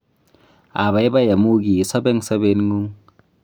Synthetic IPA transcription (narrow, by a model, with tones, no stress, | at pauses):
a˨ba˨jba˦ja˨mu˦ɡi˨sɔ˦bɛ˦ŋsa˦be˦nŋu˦ŋ